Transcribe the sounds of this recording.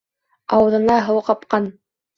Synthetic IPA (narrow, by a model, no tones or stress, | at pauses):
ɑwɤ̆ðɤ̆nɑɦɤ̆wqɑp̚qɑn